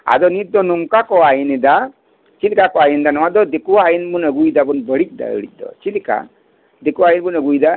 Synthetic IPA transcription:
a̰dɔnit̪̚d̪ɔnɔŋkakɔajinid̪a | t͡ʃilikakɔajind̪anɔwad̪ɔd̪ekuajinbunəɡujd̪abunbəɽic̚ˀd̪a̰ə̰ɽic̚d̪ɔ̰t͡ʃilika̰ | d̪ekuajinbunəɡujd̪a

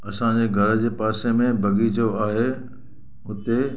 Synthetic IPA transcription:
ɐsãd͡ʑeːɡʱɐɾ̆d͡ʑeːpaːsemẽbʱɐɡʱid͡ʑoaːɦe | ʊt̪e

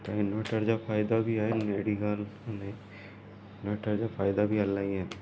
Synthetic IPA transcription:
t̪anoːʈəɾd͡ʒapʰaːɪd̪abʱiaeneːɽiɡalne | noːʈəɾd͡ʒapʰaːɪd̪abʱiɐlːaiɦɛː

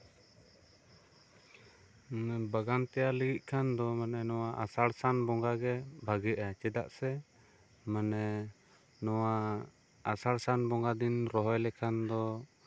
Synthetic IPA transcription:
nɛbaɡant̪ɛjaləɡit̪̚ˀkʰand̪ɔmanɛnɔwaʔasaɽsanbɔŋɡaɡɛbʱaɡɛʔat͡ʃɛd̪a̰ʔsɛ | manɛ | nɔwa | asaɽsanbɔŋɡad̪inɾɔɦɔjlɛkʰand̪ɔ

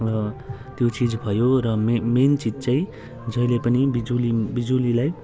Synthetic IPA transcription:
rʌ | t̪jot͡sid͡zbʱʌjoɾʌmement͡sitt͡saĩ | d͡zʌilepʌnibid͡zulibid͡zulilaj

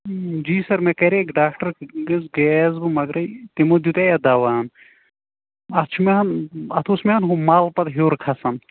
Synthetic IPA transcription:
d͡ʒiːsɐɾmekɐɾekɖaːkʰʈɐɾɡɐzɡɛzbɨmɐɡɾɐjt̪emod̪jut̪eɐd̪aːʋan | ɐt͡ʃʰumeɐnɐt̪ʰosmeɐnɦomaːlpɐt̪ɦoːɾkʰɐsɐn

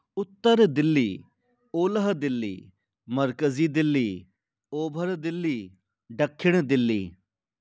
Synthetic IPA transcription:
ʊt̪ːəɾd̪ɪlːiː | oːləɦd̪ɪlːḭː | məɾkəziːd̪ɪlːiː | oːbʱəɾd̪ɪlːiː | ɖəkʰːɪɽd̪ɪlːḭː

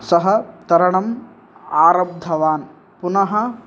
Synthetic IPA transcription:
sɐɦɐt̪ɐɾɐɳɐm | aːɾɐb̚d̪ʱɐʋaːn | punɐɦɐ

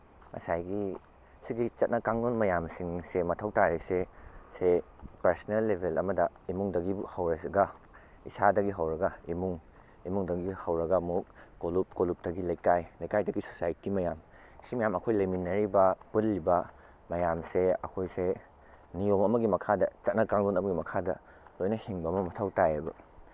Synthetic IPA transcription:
mɐ̰sajɡi | siɡit͡ʃɐt̚nɐkaŋonmɐjamsiŋsemɐtʰɐwtaɾisese | pɐɾsnelːebʱelɐmɐdɐ | imuŋdɐɡihɐwɾɐsɡɐ | isadɐɡiɦɐwɾɐɡɐimuŋ | imuŋdɐɡihɐwɾɐɡɐmuk̚kolup̚kolup̚dɐɡilɐjkajlɐjkajdɐɡiso̥sajitimɐjam | simɐjamɐkʰojlɐjminːɐɾibɐpulːibɐ | mɐjamseɐkʰojse | niomɐmɐɡimɐkʰadɐt͡ʃɐt̚nɐkaŋlunɐmɐɡimɐkʰadɐ̰ | lojnɐhiŋbɐmɐmɐtʰawtajebɐ̰

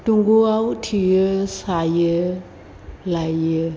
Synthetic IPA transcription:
tuŋɡuawtʰijəsajə | lajjə

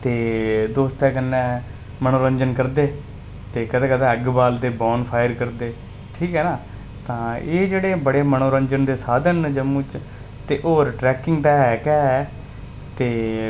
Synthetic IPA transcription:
t̪eːd̪oːst̪ɛːkənːɛ̃ː | mənoːɾəɲd͡ʒənkəɾd̪eː | t̪eːkəd̪ẽːkəd̪ɛ̃ːəɡbaːld̪eːboːnpʰaːɪəɾkəɾd̪eː | ʈʰiːkɦɛːnaː | t̪ãːeːd͡ʒeːɽeːbəɽeːmənoːɾəɲd͡ʒənd̪eːsaːd̪ənd͡ʒəmũːt͡ʃ | t̪eːʔoːɾʈɾɛːkɪŋɡd̪aːɦɛːkɛːɦɛː | t̪eː

